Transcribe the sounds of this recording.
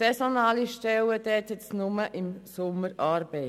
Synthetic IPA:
ɛsonɑːliʃtɛwəd̪ɛːt̪ətsnʊməʔɪmsʊmːəɾʔɑːɾb̥eɪ

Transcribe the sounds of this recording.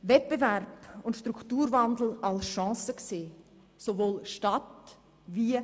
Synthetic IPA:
vɛt̚b̥evɛɾbʊntʃtɾukʰtuːɾvand̪l̩alsʃɑ̃ːsəkseː | sovoːlʃtat | vi

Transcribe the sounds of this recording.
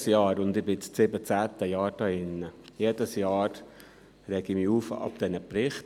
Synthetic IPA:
sjɑːɾʊnd̪ɪbɪt͡st͡sɪbət͡sæːt̪əjɑːɾd̥ɑɪnːəjeːdəsjɑːɾ | ɾɛɡ̥imiːuːfɑ̰pd̪̥ɛnəpɾɪχt

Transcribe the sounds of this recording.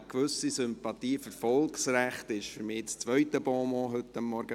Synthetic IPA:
kʋɵsisʏmpɑt̪iːfʏɾfɔlksræχt̪ɪʃfʏɾmiːt͡st͡sʋœʏtəbɔːmɔːɦʏt̪ːəmːɔɾɡ̥ə

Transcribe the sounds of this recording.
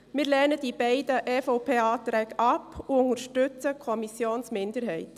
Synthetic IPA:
mɪːɾlɛnəd̥ibɛɪdəʔɛːfɔʊpʰeːɑːt̪ɾɛːɡɑpuʊŋəɾʃtʏt͡səkʰɔmisjoːnsmɪndəɾɦɛɪt

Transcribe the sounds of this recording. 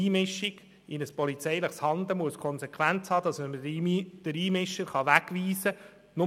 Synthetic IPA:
iːmɪʃːiɡ̥ | ɪnəspɔlit͡sɛjləχshɑnd̪əmuəskʰɔnsekʰʋænt͡shɑːd̥̪ɑsməməd̥əɾiːmɪʃəɾχɑʋæɡʋiːsə | nʊ

